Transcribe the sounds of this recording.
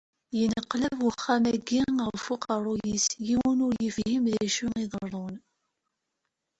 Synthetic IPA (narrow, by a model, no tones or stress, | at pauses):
jənəqːlævwəχːæmæɡːiəʁfʊqəɾˤujisjiwənʊɾjəfhimðæʃuŋiðˤəɾˤon